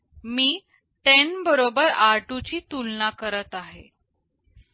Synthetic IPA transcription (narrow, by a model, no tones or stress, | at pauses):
miː | ʈenbəɾobəɾaɾʈut͡ɕiːt̪ulnakəɾət̪aɦḛ